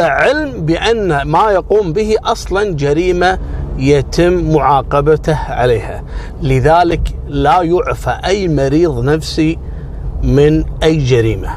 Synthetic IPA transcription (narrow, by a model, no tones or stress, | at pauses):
aʕɪlmbɪʔanːamajaquːmbɪhiʔɑsˤlɑnd͡ʒaɾiːmajat̪ɪmːʊʕɑːqɑbat̪ahʕa̰leːha̰ | lɪðaːlɪk | lajʊʕfaʔajːmɑɾiːðˤnafsi | mɪnʔajːd͡ʒaɾḭːma